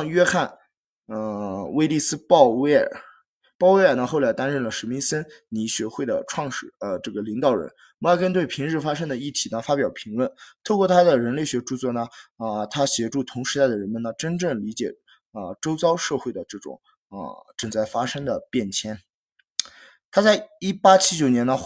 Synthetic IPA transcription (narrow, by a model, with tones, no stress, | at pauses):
ŋɥɛ˥xa˥˩n | ə˧we˥ɪli˥˩sɹ̩˥pɑ˥˧ʊwe˥ə̰˨˩ | pɑ˥˩ʊwe˥ɪə˞˨˩nə˧˦xo˥˩ʊla˧˥ɪt̪a˥nɻə˥˩nlə˩ʂ̩˧˥mi˧˥nsə˥nni˧˥ɕɥɛ˧˥xwe˥˩ɪd̪ə̰˩ʈ͡ʂʰwɑ˥˧ŋʂɻ̩˨˩ə˧ʈ͡ʂɤ˥˩ɡə˩li˧˥ŋt̪ɑ˨˩ʊɻə̰˧˥n˧˥˩kə˥nt̪we˥˩ɪpʰi˧˥ŋɻɻ̩˥˩fa˥ʂɤ˥ŋd̪ə˨i˥˩t̪ʰi˧˥nə˧fa˥pjɑ˨˩ʊpʰi˧˥ŋlwə˥˩nt̪ʰo˥˧ʊkwɔ˥˩t̪ʰa˥d̪ə˨ɻə˧˥nle˥˩ɪɕɥɛ˧˥ʈ͡ʂu˥˧t͡swɔ˥˩nə˩ə˧t̪ʰa˥ɕjɛ˧˥ʈ͡ʂu˥˩t̪ʰʊ˧˥ŋʂɻ̩˧˥a˥˩ɪdə˩ɻə˧˥nmə˧nə˩ʈ͡ʂə˥nʈ͡ʂɤ˥˩ŋli˧˥t͡ɕjɛ̰˨˩ | ə˧ʈ͡ʂo˥ʊt͡sɑ˥ʊʂɤ˥˧xwe˥˩ɪd̪ə˩ʈ͡ʂɤ˥˩ʈ͡ʂʊ̰˨˩˦ŋ | ə̰˧ʈ͡ʂɤ˥˩ŋt͡sa˥˩ɪfa˥ʂɤ˥ŋd̪ə˨pjɛ˥˩nt͡ɕʰjɛ˥n | t̪ʰa˥t͡sa˥˩ɪi˥˩pa˥t͡ɕʰi˥t͡ɕjo˨˩ʊnjɛ˧˥nə˧